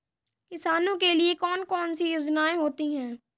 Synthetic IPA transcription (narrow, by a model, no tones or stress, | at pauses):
kɪsaːnõkeliekɔːnkɔːnsijʊd͡ʒnaːeɦoːt̪iɦɛ̃ː